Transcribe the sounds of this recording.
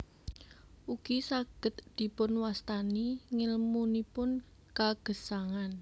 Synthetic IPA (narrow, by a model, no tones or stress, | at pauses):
ʔuɡ̥isaɡ̥ə̤t̪̚d̪̥i̤pʊnwast̪aniŋɪlmunipʊn | kaɡ̥ə̤saŋan